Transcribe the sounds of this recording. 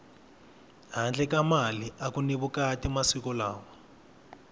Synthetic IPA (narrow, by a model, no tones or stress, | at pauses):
ɦand͡ɮɛkamaliʔakuneβukatimasikɔlaːwɔ